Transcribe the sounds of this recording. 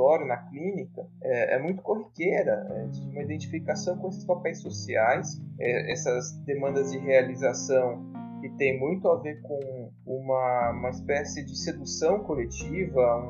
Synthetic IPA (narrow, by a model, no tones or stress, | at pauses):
ɔɾjʊnɐklĩnikɐɛɛ̰mũj̃t̪ʊ̥koɦikeɾɐɛezist͡ʃumɐid̪ẽnt͡ʃifikasɐ̃w̃kõesɪ̥spapɛjsːosiajsɛɛ̰sɐzd̪emɐ̃nd̪ɐzd͡ʒɪɦealizasɐ̃w̃ | kɪt̪ẽj̃mũj̃t̪ʊaveɾkõ | ũmɐũmɐɪspɛsɪd͡ʒɪsed̪usɐ̃w̃kolet͡ʃivɐ